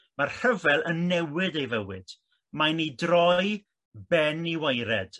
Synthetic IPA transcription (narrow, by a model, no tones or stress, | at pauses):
marhəvɛlˠənːɛwɪdejvəwɪ̰d̥ | majnijdrɔj | bɛniwajɾɛd̥